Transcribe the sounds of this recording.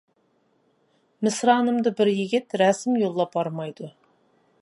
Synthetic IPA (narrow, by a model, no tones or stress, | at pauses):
mɪsɾɑnəmd̪əbɪɾjɪɡʲɪt̪ɾæsɪmjolˠːɑp̚ɑɾmɑjd̪ə